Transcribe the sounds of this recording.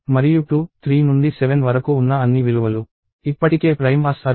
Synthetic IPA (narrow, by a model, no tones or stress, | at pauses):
mɐɾijuʈuːt̪ʰɾiːnund̪isɛʋenʋɐɾɐkuːnːɐɐnːiʋiluʋɐlu | ipːɐʈike̞ːpɾɐjmʋaːsɐːɾ